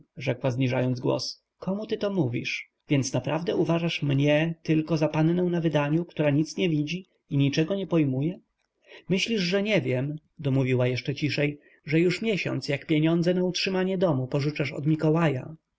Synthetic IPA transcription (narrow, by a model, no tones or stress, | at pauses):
ʐɛkwazɲiʐajɔnd̪zɡwɔ̰s | kɔmut̪ɘt̪ɔmuvʲḭʂ | vʲjɛnt̪snapɾavd̪ɛʔuvaʐaʂmɲɛt̪ɘlkɔzapannɛ̃w̃navɘd̪aɲukt̪uɾaɲit̪sɲɛvʲid͡ʑi | iɲit͡ʂɛɡɔɲɛpɔjmujɛ | mɘɕlʲiʐʐɛɲɛvʲjɛm | d̪ɔmuvʲiwajɛʂt͡ʂɛt͡ɕiʂɛj | ʐɛjuʂmʲjɛɕɔ̰nt̪sjakpʲjeɲɔnd̪zɛnautʂɘmaɲɛd̪ɔmupɔʐut͡ʂaʂɔ̰d̪mʲikɔwaja̰